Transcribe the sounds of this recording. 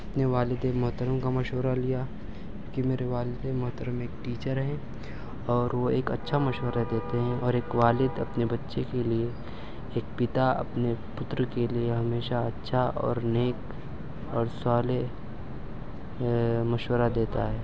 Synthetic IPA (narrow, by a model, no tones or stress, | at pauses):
ɐpneʋaːlɪd̪emɐɦt̪əɾəmkamɐʃwəɾalija | õːkimeːɾeʋaːlɪd̪emɐɦt̪əɾəmeːkʈiːt͡ʃəɾɦɛ̃ː | ɔːɾʋoeːkɐtːʃʰamɐʃwəɾad̪eːt̪eɦɛ̃ɔːɾeːkʋaːlɪd̪ɐpnebɐtːʃekelieː | k̚pɪt̪aɐ̰pnepʊt̪ɾəkelieɦɐmeːʃaɐtːʃʰaɔ̰ːɾneːk | ɔːɾsaːle | mɐʃwəɾad̪eːt̪a̰ɦɛː